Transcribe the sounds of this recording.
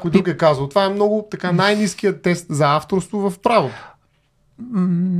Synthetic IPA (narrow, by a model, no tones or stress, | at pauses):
kojt̪ukɛkazəlˠt̪vaɛmnɔɡʊt̪ɐkanajnisk̟ijət̪ːɛst̪zɐaft̪oɾst̪vovɐfpɾavot̪o